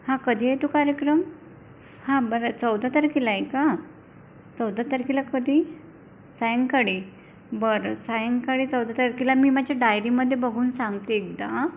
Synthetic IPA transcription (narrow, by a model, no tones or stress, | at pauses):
hãkəd̪ʱiat̪ukaɾjəkɾəm | hãbəɾat͡səwd̪ʱat̪əɾkilaeka | t͡səwd̪ʱat̪əɾkilakəd̪ʱiː | sajəŋɡkaɽiː | bəɾsajəŋɡkaɽiːt͡səwd̪ʱat̪əɾkilamiːmad͡ʑʱjaɖajɾiməd̪ʱːjebəɡʱuːnsãŋɡt̪eek̚d̪a